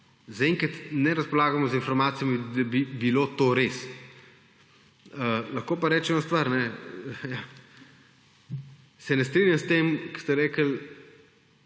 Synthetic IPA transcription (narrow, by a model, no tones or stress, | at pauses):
zaɛŋkat̪nɛɾɐspɔlaːɡamɔzinfɔɾmaːt̪sijɔmid̪ɐbibilot̪oɾes | əlɐxkoːpaɾɛːt͡ʃɛmɔst̪ʋaɾnɛja | sɛnɛst̪ɾinjamst̪emkə̥st̪ɛɾɛːkəl